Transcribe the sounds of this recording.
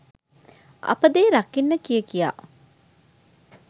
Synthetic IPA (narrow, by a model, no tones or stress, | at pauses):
ɐ̰pəd̪eːɾakinːəkijəkija̰ː